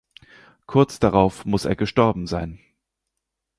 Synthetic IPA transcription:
kʰʊɐt͡sd̥aʁaʊfmʊsḛːɐɡəʃtɔɐbm̩zaɪn

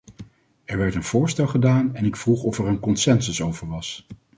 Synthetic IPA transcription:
ɛɹʋɛɹtənv̥ʊːɹstɛlˠχədaːnɛnɪkfruχɔfɛɹənkɔnsɛnsəsowvəɹʋɑs

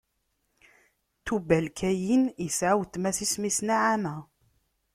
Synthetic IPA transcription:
t̪ubælkʰæjinjəsʕawt̪ːmæsismisnaʕamæ

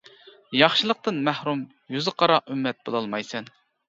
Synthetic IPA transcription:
jɑχʃɨlˠəq̚t̪ɨnmæhɾum | jyzɨqʰɑɾɑymːɛt̪̚b̥olˠɑlˠmɑjsɛn

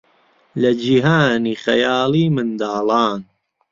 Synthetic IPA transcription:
lɐd͡ʒiɦaːniːχɐ̰jaːliːmɨnd̪aːlɑːn

